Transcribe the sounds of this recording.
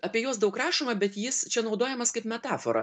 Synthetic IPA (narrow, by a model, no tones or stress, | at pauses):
ɐpʲiɛjoːsd̪ɐʊkɾɑːʃomɐbʲɛt̪jɪst͡ʃʲɛnɐʊd̪oːjɛmɐskɐɪpmʲɛt̪ɑːfo̰ɾɐ̰